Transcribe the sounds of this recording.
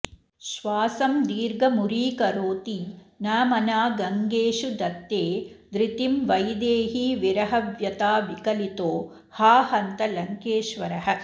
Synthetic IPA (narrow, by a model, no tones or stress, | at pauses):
ʃʋaːsɐmd̪iːɾɡɐmuɾiːkɐɾoːt̪inɐːmɐnaːɡɐŋɡeːʃud̪ɐt̪ːeːd̪ɾit̪imʋɐjd̪eːɦiʋiɾɐɦɐʋjɐt̪aːʋikɐlit̪oː | haːhɐnt̪ɐlɐŋkeːʃʋɐɾɐɦɐ̆